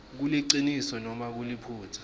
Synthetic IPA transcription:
k̬uliǀinisɔnɔmak̬ulipʰuːtʰḁ

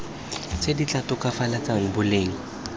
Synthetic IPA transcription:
t͡sedit͡ɬʼatʊkʼafalat͡saŋ̩bʊleːŋ̩

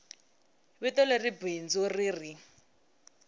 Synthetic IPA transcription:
βɪtɔleribind͡zɔriːri

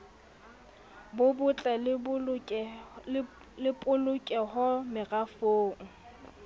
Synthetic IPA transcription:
bʊbʊt͡ɬʼɛlbʼ | lɪpʼʊlʊkʼɛɦɔmɪrafoːŋ̩

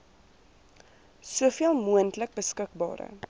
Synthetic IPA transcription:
suəfiəlˠmuəntlək̚bəskək̚bɑ̰ːɾə̰

